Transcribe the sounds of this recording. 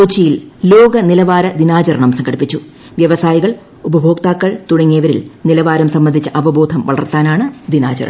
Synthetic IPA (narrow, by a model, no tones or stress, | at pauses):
uːt͡ɕːijillo̞ːɡɐnilɐʋaːɾɐd̪inaːt͡ɕɐɾɐɳɐmsɐŋɡʰʱɐɽipːit͡ɕːu | ʋjɐʋɐsaːjiɣɐɭ | ubɐbʱo̞ːk̚t̪aːkːɐɭt̪uɽɐŋːijɐʋɐɾḭlnilɐʋaːɾɐmsɐmːɐnd̪ʱit͡ɕːɐʔɐʋɐboːd̪ʱɐmʋɐ̰ɭɐ̰rt̪aːnaːɳɨd̪ina̰ːt͡ɕɐ̰ɾɐɳɐɐm